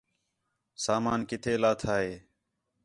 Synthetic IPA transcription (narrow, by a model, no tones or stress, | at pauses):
saːmaːnkɪt̪ʰeːlaːt̪ʰaːɦeː